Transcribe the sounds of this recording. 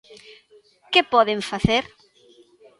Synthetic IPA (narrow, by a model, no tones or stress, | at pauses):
kepɔðeɱfaθeɾ